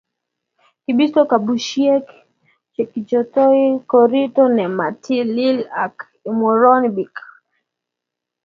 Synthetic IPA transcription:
kiɓisɔkaɓuʃiɛk | t͡ʃɛkit͡ʃɔtɔikɔɾitɔnɛmatʰililak | imɔɾɔnbik

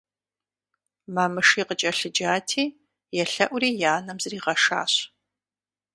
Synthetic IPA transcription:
maːmɨʂiːqət͡ʃʼɐɬɨd͡ʒaːtʰiː | jɛɬɐʔʷʊriːjaːnɐmzɨriːʁɐʂa̰ːɕ

